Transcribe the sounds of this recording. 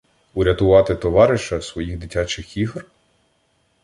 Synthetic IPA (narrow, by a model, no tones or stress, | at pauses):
ʊɾʲɐt̪ʊʋɑt̪ɪt̪ɔʋɑɾɪʃɐsʋɔjiɣd̪ɪtʲɑt͡ʃɪxiɦr